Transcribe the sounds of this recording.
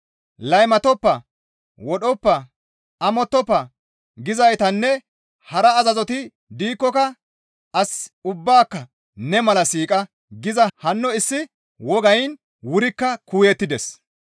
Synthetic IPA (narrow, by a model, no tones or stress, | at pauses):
lɐjmɐt̪ɔpːɐ | wɔɗɔpːɐ | ɐmɔt̪ːɔpːɐ | ɡɪzɐjt̪ɐnːɛ | hɐɾɐːzɐzɔt̪ɪ | d̪iːkːɔkɐ | ɐsʊbːaːkːɐ | nɛmɐlɐsiːkʼɐ | ɡɪzɐhɐnːɔɪsːɪ | wɔɡɐjn | wʊɾɪkːɐkuːjɛt̪ːɪd̪ɛs